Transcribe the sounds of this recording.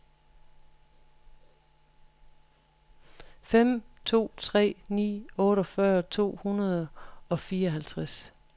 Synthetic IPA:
fem̰t͡sʰo̝̰ːt͡sʰʁɛ̰ːnḭːɔ̽ːɾɒfɶɐt͡sʰo̝̰ːhunɐð̞ˠɒ̽fiːɐɒ̽ɦælt͡sʰʁas

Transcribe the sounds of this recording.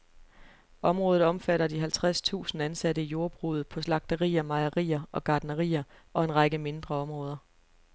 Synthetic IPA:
ʔɒ̽mʁɔːð̩ˠɒ̽mfæɾɐd̥iɦælt͡sʰʁast͡sʰṵːsn̩ænsædəijo̝ɐb̥ʁuð̞̩ˠpʰɒ̽slɑ̈ɡ̥̚d̥əʁḭːɐmɑ̈ɪɐʁḭːɐɒ̽ɡ̥ɑ̈ːd̥nəʁḭːɐɒ̽e̝nʁɑ̈ɡ̥əme̝nd̥ʁɐɒ̽mʁɔ̽ːð̞ˠɐ

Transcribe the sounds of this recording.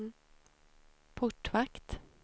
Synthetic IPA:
pʰʊʈːvakt̪

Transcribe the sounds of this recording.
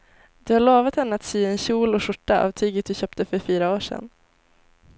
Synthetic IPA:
d̪̥ɵhaɭoːvat̪hɛnːəat̪syːɛnɕuːlɔʂʊʈːaa̰vt̪ʰyːɡət̪̚d̪ɵɕœːp̚t̪əfœɾfyːɾaoːʂɛ̰nː

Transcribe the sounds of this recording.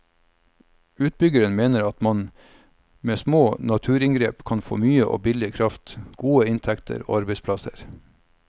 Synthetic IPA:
ʉːt̪̚bʏɡəɾənmeːnəɾɑt̪mɑn | meːsmoːnɑt̪ʰʉːɾɪŋɡɾeːpkʰɑnfo̰ːmyːəʔo̰ːbɪlɪkʰɾɑft̪ɡ̥uːəɪnt̪ʰɛkt̪ʰə̰ɾo̰ːɑɾbɛɪspʰlɑsə̰ɾ

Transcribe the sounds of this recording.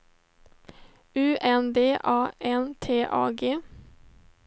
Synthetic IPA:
ʉːʔɛnd̪eːʔɑːʔɛnt̪ʰeːʔɑ̰ːɡeː

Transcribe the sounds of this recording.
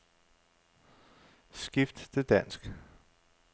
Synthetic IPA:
sɡ̥ifd̥t͡sʰe̝d̥æn̰sɡ̥

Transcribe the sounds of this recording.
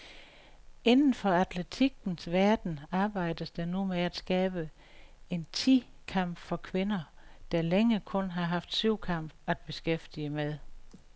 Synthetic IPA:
e̝nn̩fɒ̽æd̥læt͡sʰiɡ̥n̩sʋæɐd̥n̩ɑ̈ːb̥ɑ̈ɪ̰d̥əsd̥ɑnumeæd̥sɡ̥ɛːb̥ə | e̝nt͡sʰḭː | kʰɑ̈m̰b̥fɒkʰʋe̝nɐd̥ɑ̈leŋəkʰɔ̽nɦɑ̈ɦɑ̈fd̥syʊ̰kʰɑ̈m̰b̥æd̥̚b̥e̝sɡ̥efd̥iəmeðˠ

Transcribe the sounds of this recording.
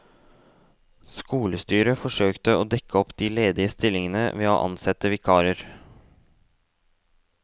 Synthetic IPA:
skuːləst̪yːɾəfɔʂøːkt̪əoːd̪ɛkəɔpd̪iːleːd̪ɪəst̪ɪlɪŋənə̰ʋḛːo̰ːʔɑ̰nsɛt̪əʋɪkʰɑːɾəɾ

